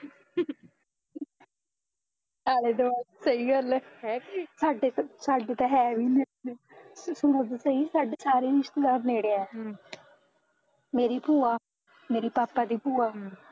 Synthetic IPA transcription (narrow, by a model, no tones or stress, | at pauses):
aːɽeːd̪oːasəiːɡəlɦɛːsaːɖeːsaːɖeːt̪aɦɛːʋiːnɛ | sʊɽ̃ə̃t̪səiːsaːɖeːsaːɾeːɾɪʃt̪eːd̪aːɾneːɽeːaɛː | meːɾiːpuːaː | meːɾiːpaːpːaːd̪iːpuːaː